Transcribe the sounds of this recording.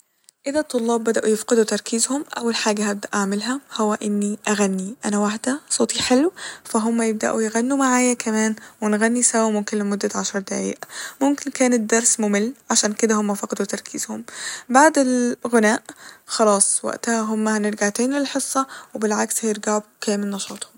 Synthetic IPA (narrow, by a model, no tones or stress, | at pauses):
ʔɪd̪at̪ˤːolːɑːbːæd̪aʔujɪfqɪd̪ut̪ɑɾˤkʰiːzhʊmʔa̰wːalħaːɡahabd̪aʔaʕmɪlɦahʊwːæʔɪnːiʔaɣanːiʔæ̰næwaħd̪asˤoːt̪ˤiħelwfæɦʊmːæjɪb̚d̪a̰ʔujɪɣanːumaʕaːjakʰæmæːnwɪnɣænːisawmʊmkɪnlɪmʊd̪ːaʕaʃɑɾˤd̪aʕḭːʔmʊmkɪnkæːnɪd̪ɑɾˤsmʊmɪlːʕaʃæːnkɪd̪æhomːæfɑqɑd̪ut̪ɑɾˤkʰḭːz̥hʊmbaʕd̪ɪlɣʊnæːʔxɑlɑːsˤwa̰ʔt̪hæɦʊmːæhænɪɾɡaʕt̪eːnlɪlħesˤːɑwɪbɪlʕakshæjeɾɡaʕukæːmɪlnɑʃɑːt̪ˤhʊm